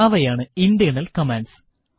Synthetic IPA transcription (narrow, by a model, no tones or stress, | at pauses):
aːʋɐjaːɳɨind̪ijɐnɐlkɐmenɖs